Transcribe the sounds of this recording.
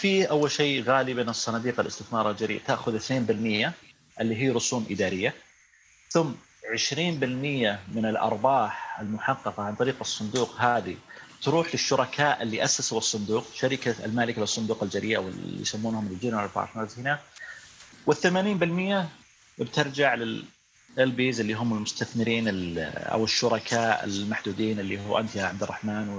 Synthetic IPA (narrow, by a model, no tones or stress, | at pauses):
fiːʔawːalʃeːɣaːlibeːnɨsˤːɑnɑːd̪iːqalʔɪ̰st̪ɪθmɑːɾˤɑld͡ʒaɾḭːʔt̪aʔxʊðɪθneːmbɪlmɪjːa | ʔɪlːiːɦiːɾʊsuːmʔɪd̪aːɾɪjːa | θʊmː | ʕɪʃɾiːnbɪlmɪjːamɪnɪlʔɑ̰ɾˤbɑːħɪlmʊħɑqːɑqɑʕant̪ˤɑɾiːqɨsˤːʊnd̪uːqɦaːðit̪ɾuːħlɪʃːʊɾˤɑkʰaːʔɪlːiʔasːasawɨsˤːʊnd̪uːqʃaɾɪka̰lmaːlɪkalɨsˤːʊnd̪uːqɪld͡ʒaɾiːʔa̰wɪ̰ḭjsamːuːnhʊmɪld͡ʒiːnaalbɑ̰ɾˤmaːzhɪna | wɪθːamaːniːmbɪlmɪjːa | bt̪ɑɾˤd͡ʒaʕlɪ | ɪlbiːzɪlːiːɦʊmːɪlmʊst̪aθmɪɾiːnɪʔa̰wɪʃːʊɾˤɑkʰaːʔɪ̰lmaħd̪uːd̪iːnɪlːiːhuːʔa̰nt̪jaʕab̚d̪ɪrˤːɑ̰ħmaːnw